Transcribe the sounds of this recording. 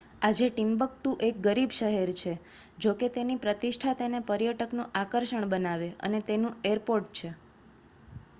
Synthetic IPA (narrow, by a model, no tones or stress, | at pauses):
ad͡ʒeʈimbək̚ʈũʔek̚ɡəɾibʃəɦeɾt͡ʃʰe | d͡ʒoket̪enipɾət̪iʃʈʰat̪enepəɾjəʈəknũʔakəɾʃəɳbənaʋeʔə̰net̪enũeɾpoɾʈ̚t͡ʃʰe